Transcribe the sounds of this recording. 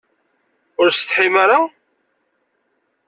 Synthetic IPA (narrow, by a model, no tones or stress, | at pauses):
ʊɾst̪ħimaɾa